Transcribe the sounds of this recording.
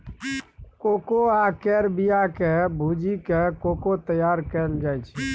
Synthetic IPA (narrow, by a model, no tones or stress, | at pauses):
kokoakɛɾbijakebʱud͡ʒikekokot̪əjaːɾkɛld͡ʒajt͡ʃʰː